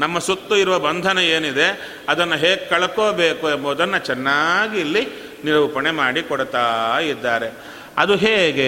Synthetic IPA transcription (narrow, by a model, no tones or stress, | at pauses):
nɐmːɐsut̪ːuiɾuʋɐbɐnd̪ʱɐnɐe̞ːnid̪e̞ | ɐd̪ɐnːɐɦeːɡekɐɭɐkoːbeːkumːɔd̪ɐnːɐt͡ʃɛnːaːɡiːlːi | niɾɐʋupɐɳemaːɽikɔɽt̪aːid̪ːaːɾe̞ | ɐ̰d̪uɦeːɡe